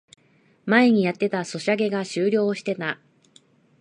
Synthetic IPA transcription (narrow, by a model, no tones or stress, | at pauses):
mae̞ɲ̟ijat̪ːe̞t̪aso̞ɕiaɡe̞ɡaɕɨːɾʲo̞ːɕi̥t̪e̞t̪a